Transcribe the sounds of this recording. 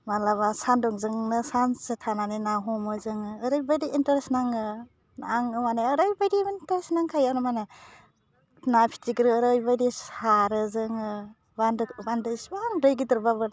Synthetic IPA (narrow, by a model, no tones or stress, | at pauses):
malaβasandɔŋzɯŋnɯsansɯtʰananinaɦɔmɯzɯŋɯːɾɯjbajdiʔintaɾsnaŋɯ | naŋɯmanaɯɾɯjbajdiintaɾsnaŋkʰajanɯmana | napʰi̥tʰiɡɾɯːɾɯjbajɾisaɾɯzɯŋɯ | bandɯbandɯsbaŋɾɯjɡidɯɾbabɯ